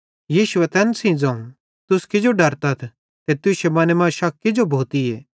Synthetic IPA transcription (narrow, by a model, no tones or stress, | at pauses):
jiːʃʊet̪ɛnsĩd͡zɐ̃ũ | t̪ʊskɪd͡ʒoɖɐɾt̪ɐt̪ʰ | t̪et̪ʊʃemɐːnemãʃɐkːed͡ʒobʱoːt̪iɛː